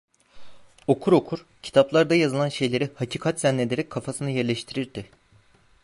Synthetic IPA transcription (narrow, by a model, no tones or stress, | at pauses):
o̞kʰuɾo̞kʰuɾ̥cʰi̥t̪ʰaplˠaɾd̪ajazɯlˠanʃe̞jlʲe̞ɾihacʰiːkʰat̪zɛnːed̪e̞ɾɛc̚kʰːafasɯnɯjæɾlʲɛʃt̪ʰiɾiɾd̪ɪ